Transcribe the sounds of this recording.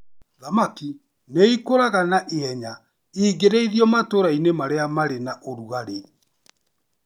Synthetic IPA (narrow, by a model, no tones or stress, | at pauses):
ðamaki | neikoɾaɣanaʔeɛɲa | iːɡeɾeiðiɔmatoɾainemaɾeamaɾenaʔoɾuɣaɾe